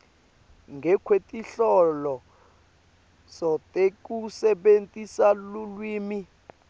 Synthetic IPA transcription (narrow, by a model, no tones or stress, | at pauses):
ŋɡʱɛkʰwetʼiɬɔlɔ | sɔtʼekʼusɛɓentʼisalulwiːmi